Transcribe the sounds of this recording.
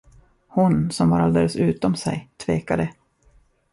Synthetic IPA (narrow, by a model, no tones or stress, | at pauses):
hʊnsɔmvaɾald̪eːləsʉ̟ːt̪ɔmsɛ̰jt̪ʰveːkad̪ə